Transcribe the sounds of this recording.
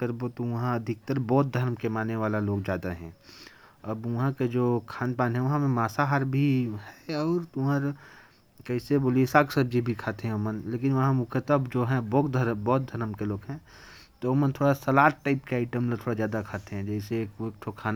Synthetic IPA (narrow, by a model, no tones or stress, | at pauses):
kəɾbot̪oʋɐɦãɐd̪ʱɪk̚t̪əɾbɔːt̪̚d̪ʱəɾmkemaːnːeʋaːlaloːɡd͡ʒjaːd̪aɦɛ̰̃ː | ɐbʋɐɦãked͡ʒoːkʰaːnpaːnɦɛ̃ʋɐɦãmẽmaːsaɦaːɾbʱiɦɛɔːɾt̪ʊəɾ | kɛɪseboːliesaːksɐb̚d͡ʒibʱikʰaːt̪eɦɛ̃oːmənleːk̬ɪnʋɐɦãmʊ̃kʰət̪əbd͡ʒoːɦɛ̃boːkd̪ʱɐɾbɔːt̪̚d̪ʱɐɾmkeloːɡɦɛ̃ː | t̪ooːmənt̪ʰoːɽasɐlaːʈːaːɪpkeaːɪʈəmlat̪ʰoːɽazjaːd̪akʰaːt̪eɦɛ̃d͡ʒɛːseːkːk̚t̪ʰokʰaːn